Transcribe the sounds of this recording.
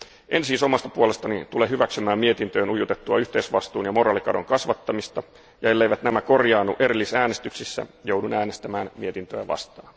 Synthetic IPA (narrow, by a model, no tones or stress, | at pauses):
ʔe̞nsiːsomɑst̪ɑpuole̞st̪ɑnit̪uleɦyʋæksymæːmmie̞t̪int̪øːnujut̪et̪ːuɑyht̪eːsʋɑst̪uːnjɑmo̞ɾɑːlikɑdo̞̰ŋkɑsʋɑt̪ːɑmist̪ɑ | jɑe̞lːejʋæt̪næmæko̞rjɑːnːuʔe̞ɾilːisæːnest̪yksisːæ̰jowdunæːnest̪æmæːnmiet̪int̪ø̰jæ̰ʋɑ̰st̪ɑːn